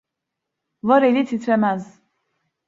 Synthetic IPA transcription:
vaɾelit̪ʰit̪ʰɾɛmæz

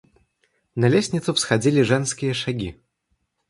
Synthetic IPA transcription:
nɐlʲesʲnʲɪt̪sʊfsxad͡zʲilʲiʐɛnskʲɪjəʂaɡʲi

